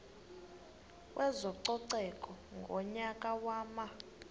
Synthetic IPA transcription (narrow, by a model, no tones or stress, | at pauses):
kwʔɛzɔǀɔǀɛkʼɔŋɡʱɔɲakʼawaːma